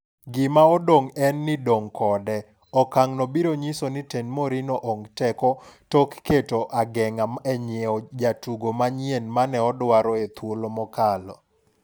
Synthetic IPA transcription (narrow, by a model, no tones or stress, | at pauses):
ɡɪmaɔdoŋɛnːɪdoŋkʰɔdɛ | ɔkaŋnɔbiɾoɲisonɪtenmoɾinɔʔoŋtɛkɔtɔkːetoʔaɡɛŋamɛɲɔd͡ʒatuɡomaɲienmanɛɔdwaɾɔet̪wolomɔkalɔ̰